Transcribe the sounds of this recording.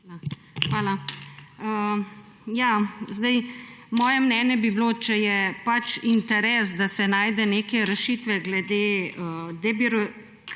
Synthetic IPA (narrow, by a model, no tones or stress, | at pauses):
xʋaːla | ə | jaːzd̪ɐjmɔːjɛmnɛːnjɛbibloːt͡ʃɛjɛpat͡ʃint̪ɛɾɛːsd̪asɛnaːjd̪ɛneːkɛɾɛʃiːt̪ʋɛɡlɛd̪eːəd̪ɛbiɾ